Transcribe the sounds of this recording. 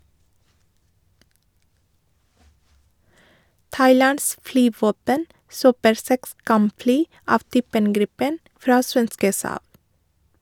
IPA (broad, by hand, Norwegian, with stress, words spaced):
ˈtɑɪˌlɑns ˈflyːˌʋoːpən ˈsøːpəɾ ˈsɛks ˈkɑmˌflyː ˈɑːʋ ˈtyːpən ˈɡɾɪpən ˈfɾɑː ˈsʋɛnskə ˈsɑːb